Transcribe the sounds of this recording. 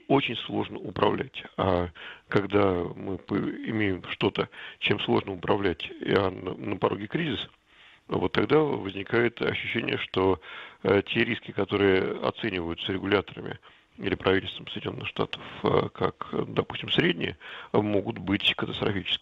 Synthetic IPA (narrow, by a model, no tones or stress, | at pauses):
o̞t͡ɕɪnʲslˠo̞ʐnəʊpɾɐvlʲætʲakɐɡd̪amɨpɪmʲejɪmʂt̪o̞t̪ət͡ɕemslˠo̞ʐnəʊpɾɐvlʲætʲanəpɐɾʔo̞ɡʲɪkɾʲizʲɪs | vo̞t̪ːɐɡd̪avəzʲnʲɪkajɪt̪ɐ̰ɕːʉɕːenʲɪ̰jəʂt̪o | tʲeɾʲiskʲɪkɐt̪o̞ɾɨjəɐ̰t̪senʲɪvəjʊt̪sɾʲɪɡʊlʲat̪əɾəmʲɪ̰ | ilʲɪpɾʔɐvitʲɪlʲst̪vəmsəɪjdʲɪnʲo̞nːɨxʂt̪a̰t̪ə̥fkʰa̰kd̪ɐpu̥sʲtʲɪmsɾʲedʲnʲɪ̰jəmo̞ɡʊt̪bɨtʲkət̪əst̪ɾɐfʲit͡ɕɪ̥skʲɪ